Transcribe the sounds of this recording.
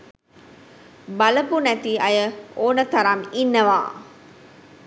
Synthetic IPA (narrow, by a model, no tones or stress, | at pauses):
baləpunæt̪iɐjəoːnət̪aɾaminːəʋa̰ː